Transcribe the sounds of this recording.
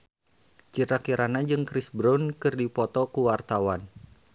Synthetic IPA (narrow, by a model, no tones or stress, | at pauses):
t͡ʃit̪akiɾanad͡ʒɨŋkɾisbɾɔnkɨrdipɔt̪ɔkuwart̪awan